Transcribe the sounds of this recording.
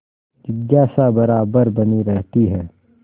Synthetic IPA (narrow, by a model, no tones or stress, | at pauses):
d͡ʒɪɡjaːsabɐɾaːbəɾbɐniɾɛɦt̪iɦɛː